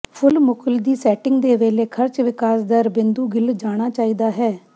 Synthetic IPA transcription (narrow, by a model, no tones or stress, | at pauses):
pʰʊlmʊkəld̪iːsɛːʈɪŋɡd̪eːʋeːleːkʰəɾt͡ʃʋɪkaːsd̪əɾbɪnd̪uːɡɪld͡ʒaːɽ̃aːt͡ʃaːiːd̪aːɦɛː